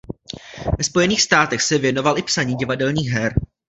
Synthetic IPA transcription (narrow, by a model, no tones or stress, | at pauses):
vɛspo̞jɛniːxst̪aːt̪ɛxsɛvjɛno̞valʔɪpsaɲiːɟɪvadɛlɲiːxɦɛɾ